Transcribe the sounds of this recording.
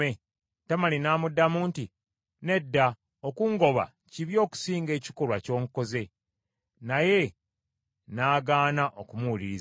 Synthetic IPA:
e | tamalinaːmudːamuːnti | ne̞dːa | okuːŋɡo̞βa̰ | ciβjo̞ːku̥siːŋɡe̞ːci̥ko̞lwaco̞ːŋko̞ze̞ | naje̞ | naːɡaːnaʔo̞kumuuliiz

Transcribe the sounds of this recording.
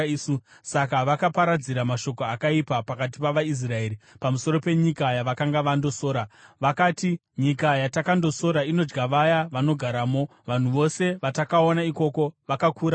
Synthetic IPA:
susakaʋakapaɾad͡ziɾamaʃo̞ko̞akaipapakat̬ipaʋais̬rae̞ːɾipamuso̞ɾo̞pe̞ɲikajaʋakaŋɡaʋando̞so̞ːɾaʋakaːti | ɲikajatakando̞so̞ɾaino̞d͡ʒɡaʋajaʋano̞ɡʱaɾaːmo̞ | ʋan̤uʋo̞se̞ʋatakao̞naiko̞ko̞ʋakakuːɾa

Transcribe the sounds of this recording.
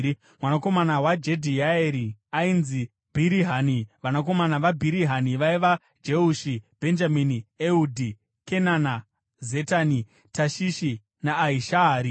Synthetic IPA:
mwanako̞manawad͡ʒe̞dʱiaeɾiainzi | b̥ʱiɾiɦaniʋanak̬o̞manaʋabʱiɾiɦaniʋaiʋa | d͡ʒeuʃib̥ʱe̞nd͡ʒaminieudʱi | ke̞nana | ze̞tani | taʃiʃi | naːiʃaːɾi

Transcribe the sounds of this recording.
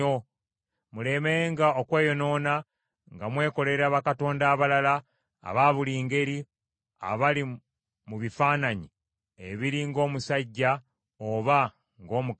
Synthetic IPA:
o | mule̞meŋɡaokwe̞ːjo̞no̞ːna | ŋɡamwe̞ːko̞le̞ɾeaβakato̞ːndaːβalala | a̰βaːβuliːŋɡe̞ɾi | a̰βali | muβifaːnaɲi | eβiɾiŋɡo̞ːmusaɟːa | oβa | ŋɡo̞ːmuk

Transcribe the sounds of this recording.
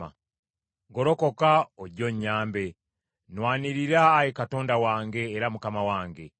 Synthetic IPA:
a̰ | ɡo̞ɾo̞ko̞kaoɟo̞ɲːaːmbe̞ | nwaːniɾiɾaːjekato̞ːndawaːŋɡe̞ːɾamukamawaːŋɡe̞

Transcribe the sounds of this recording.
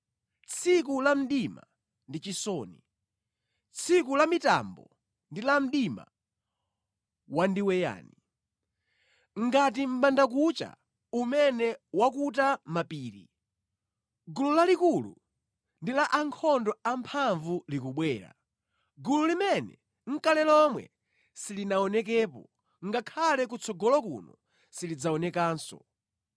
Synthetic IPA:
t͡sʰik̬ulam̩ɗima̰ | ndit͡ʃisɔni | t͡sʰik̬ulamita̰mbɔ̰ | ndilam̩ɗima̰ | wandiwɛja̰ːni | ŋɡat̬im̩ɓandak̬ut͡ʃa̰ | umɛnɛwakut̬amapiːɾi | ɡululalikulṵ | ndilaʔaŋkʰɔndɔampʰaɱvulikuɓwɛːɾa̰ | ɡululimɛnɛ̰ | ŋ̩kalɛlɔmwɛ̰ | silinaɔnɛk̬ɛːpɔ | ŋɡakʰalɛkut͡sʰɔɡɔlɔkṵnɔ̰ | silid͡zaɔnɛkaːnsɔ̰

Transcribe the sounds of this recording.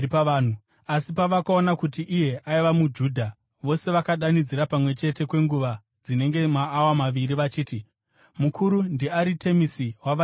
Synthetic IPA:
paaːnu | asipaʋakao̞nakutiʔije̞ʔaiʋamud͡ʒuːdʱa | ʋo̞se̞ʋakaɗanid͡ziɾapamwe̞t͡ʃe̞te̞kwe̞ŋɡuʋa | d͡zine̞ŋɡe̞maːwamaʋiɾiʋat͡ʃiːti | mukʰuɾundiaɾitʰe̞misiwaʋa

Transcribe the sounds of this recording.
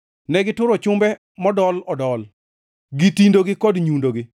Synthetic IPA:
nɛɡɪtʊɾɔt͡ʃʊmbɛ | mɔdɔlɔdɔl | ɡitindoɡɪkɔdɲundoɡɪ

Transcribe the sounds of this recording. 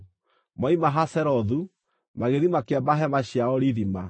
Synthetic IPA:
maimaɦasɛɾɔðu | maɣeðimakeabaɦɛmaɕjaɔɾiðima

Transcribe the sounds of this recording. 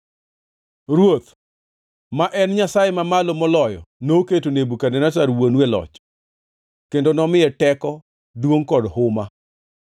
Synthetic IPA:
ɾwot̪ | maʔɛnɲasajemamalomɔlɔjɔ̰noketonebukanɛnataɾwonwɛlɔ̰t͡ʃ | kendonɔmɪɛtɛkɔ | dwoŋkɔdhʊma

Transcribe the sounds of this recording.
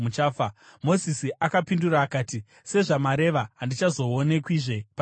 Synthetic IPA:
mut͡ʃaːfamo̞zisiʔakapinduraːkaːti | se̞ʐamaɾe̞ʋaɦandit͡ʃazo̞one̞kwiːʐe̞pa

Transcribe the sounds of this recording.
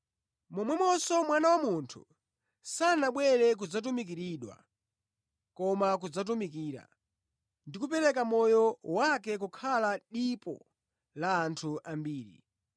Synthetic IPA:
mɔmwɛmɔsɔmwanawamuntʰṵ | sanaɓwɛɾɛk̬ud͡zat̬umikiɾiɗwa̰ | kɔmak̬ud͡zat̬umikiːɾa̰ | ndikupɛɾɛkamɔjɔwakɛk̬ukʰalaɗipɔ̰ | laːntʰuʔambiːɾḭ

